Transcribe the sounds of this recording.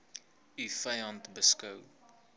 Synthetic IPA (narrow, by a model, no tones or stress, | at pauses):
yfɐjɐntbəskɐw